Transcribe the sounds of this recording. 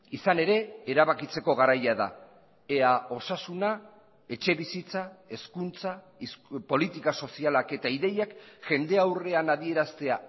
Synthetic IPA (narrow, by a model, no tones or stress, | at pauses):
isane̞ɾe̞ːɾaβakit͡se̞ko̞ɣ̞aɾajaða̰ | eao̞sasuna | e̞t͡ʃe̞βisit͡sae̞skunt͡sa | ispo̞lit̪ikaso̞sialake̞t̪aiðe̞jakʝe̞nd̪e̞awre̞anaðie̞ɾast̪e̞a